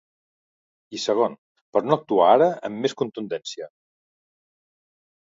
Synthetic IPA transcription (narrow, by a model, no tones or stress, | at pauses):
isəɣ̞on | pəɾnoək̚t̪uaaɾəəmːeskunt̪und̪ɛnsiə